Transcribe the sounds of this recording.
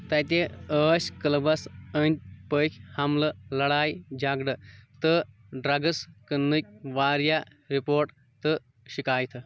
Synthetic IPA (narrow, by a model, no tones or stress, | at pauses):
t̪ɐt̪ʲeəːsʲkɐlɐbɐsənʲt̪̚ʲpəkʲʰhɐmlɨlɐɽaːjd͡ʒɐɡɖɨt̪ɨ | ɖɾɐɡɐskənːɨk̚ʲʋaːɾja | ɾipoːɾʈ | t̪ɨ | ʃikaːjt̪ʰɨ